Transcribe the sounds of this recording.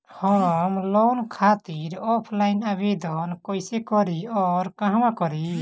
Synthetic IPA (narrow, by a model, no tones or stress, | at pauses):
hɔmlɔnkʰat̪iɾɔpʰlajnabed̪ɔnkɔjsɛkɔɾiɔɾkãɦamakɔɾi